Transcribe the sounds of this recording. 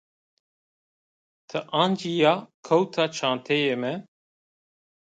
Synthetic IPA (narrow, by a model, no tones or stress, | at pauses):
t̪ʰəʔãːnd͡ʒijakʰowt̪ʰat͡ʃʰãːnt̪ʰejemɛ